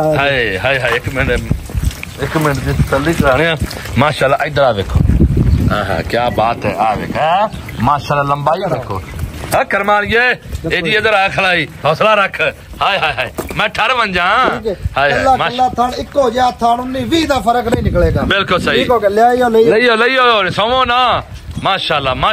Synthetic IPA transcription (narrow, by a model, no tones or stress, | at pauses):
ɦaiɦaːiɦaːɪkmɪn | ɪkmɪnd̪it̪əsəlːiːkəɾaːɽ̃ejãː | maːʃaːlːaːʔəɪd̪əɾaːʋeːkʰo̰ːã̰ːɦã̰ːkjaːbaːt̪ɛːaːʋḛːkʰɛː | maːʃaːlːaːləmbaːiekʰːoːəkəɾmaːlijeːeːd̪iːəd̪əɾaːkʰəlaːiːɦoːslaːɾəkʰ | haːiɦaːɦaːiːmɛ̃ːʈʰəɾʋə̃nd͡ʒãːhaːɦaːaːaːlaːt̪ʰəɳɪkːoːd͡ʒaːt̪ʰəɳʊnːiːʋiːd̪aːpʰəɾəknə̃ĩːnɪkleːɡaːbɪlkʊlsəɦiːjaːioːnːləiːoːləiːoːoːsõːʋõːnaː | maːʃaːlːaːmaː